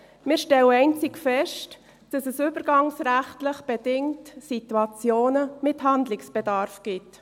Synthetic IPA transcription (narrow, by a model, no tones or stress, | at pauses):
mɪːɾʃtɛləɛɪnt͡sɪkfɛʃt | d̥ɑsɛsybəɾɡɑŋsɾæχtləχb̥ɛdɪŋtsituɑt͡sjoːnəmɪtɦɑndlɪksb̥ɛdɑːɾfɡ̥ɪt